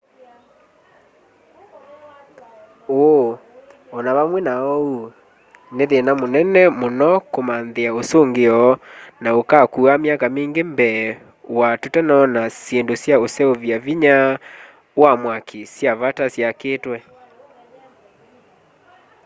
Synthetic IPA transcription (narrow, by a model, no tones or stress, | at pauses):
oo | ɔnaβamwɛnaɔu | neðenamonɛnɛmonɔkomanðeaosoŋɡeɔnaokakuameakamiːŋɡembɛ | watotɛnanasjendosjaosɛovjaviɲa | wamwakʰisjavatasjakeːtwɛ